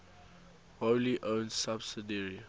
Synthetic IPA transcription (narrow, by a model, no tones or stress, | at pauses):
holiʔõnsabsidəɹi